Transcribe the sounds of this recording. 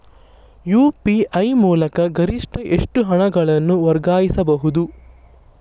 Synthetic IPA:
juːpiʔɐjmuːlɐkɐɡɐɾiʂʈɐʔeʂʈuɦɐɳɐɡɐɭɐnːuʋɐɾɡaːjisɐbɐɦud̪u

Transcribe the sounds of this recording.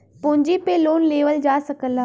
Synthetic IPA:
pʊ̃ːɲd͡ʑipeloːnleːʋəld͡ʑaːsɐkəlaː

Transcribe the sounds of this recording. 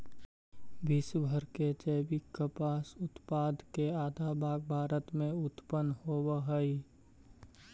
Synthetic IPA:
bisbʱəɾked͡ʒəːbikəpaːsʊt̪paːd̪ʱkeaːd̪ʱabʱaːɡ̚bʱaːɾət̪mẽʊt̪pənhobəɦəi

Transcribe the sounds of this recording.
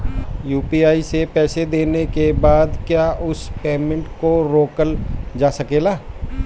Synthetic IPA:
juːpiaːisepɛːsed̪eːnekebaːd̪kjaːʊspeːmɪ̃ɳʈkoɾoːkəld͡ʒaːsɐkeːlaː

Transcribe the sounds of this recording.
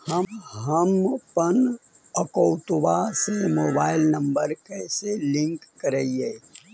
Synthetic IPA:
hɐɦəmpən | əkoʊt̪ʋasemoːbaːɪlnə̃mbəɾkɛːselɪ̃ŋkːəɾeieː

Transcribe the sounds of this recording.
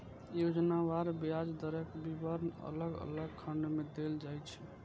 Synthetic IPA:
jod͡ʒnaʋaɾbijad͡ʒd̪əɾəkbibəɾnə̰ləɡə̰ləɡ̚kʰəɳɖmed̪eld͡ʒajt͡ʃʰɛ

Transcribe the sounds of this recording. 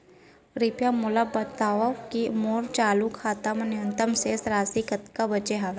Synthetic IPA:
ɾipjamʊlabɐt̪aːʋɐkimoːɾt͡ʃaːlukʰaːt̪amɐnɪunt̪ɐmseːsɾaːsikɐt̪kabɐt͡ʃeɦaːʋe

